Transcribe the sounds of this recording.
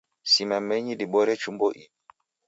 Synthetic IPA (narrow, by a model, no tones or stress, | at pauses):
simɛmeɲidiɓɔɾɛt͡ʃumboʔi